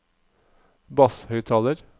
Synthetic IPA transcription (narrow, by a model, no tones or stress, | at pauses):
bɑshœʏt̪ʰɑːləɾ